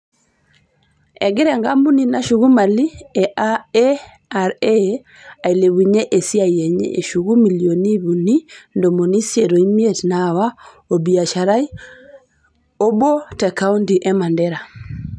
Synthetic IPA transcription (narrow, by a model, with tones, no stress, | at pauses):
ɛɡi˦ɾɛŋɡa˦mbu˦nina˨ʃuɣu˦ma˨li˦ɛʔaɛ | aɾɛ | a˨i˨le˨βiɲe˦ʔe˨si˦a˨iɛ˨ɲḛʔḛ˨ʃuɣu˦mi˨lioni˦βunindɔ˨mo˨ni˦sjeɾo˨i˦mi˦ɛtnawa | obi˨a˨ʃa˨ɾai˦ | o˦bɔ˦tɛka˦untiʔɛ˦mandɛɾa˨